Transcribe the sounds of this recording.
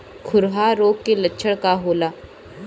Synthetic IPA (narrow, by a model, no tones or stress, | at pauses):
kʰʊɾɦaɾoːɡkelətːʃʰəɽkaɦoːlaː